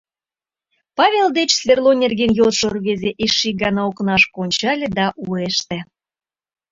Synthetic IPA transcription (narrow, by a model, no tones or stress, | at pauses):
pɑβʲeld̪et͡ɕsvʲerlˠonʲerɡenjot̪ʃorβezʲeʔiʃiɡɑnɑoknɑʃkonʲt͡ɕɑlʲĕd̪ɑʔueʃt̪ĕ